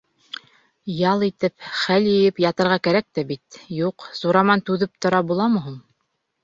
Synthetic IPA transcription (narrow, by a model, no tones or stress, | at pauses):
jɑlˠit̪ɘpχæljɘ̆jɘpjɑt̪ɤ̆ɾʁɑkæɾæk̚t̪æbit̪juqsuɾɑmɑnt̪ʉðɘp̚t̪ŏɾɑbulˠɑmɤ̆ɦum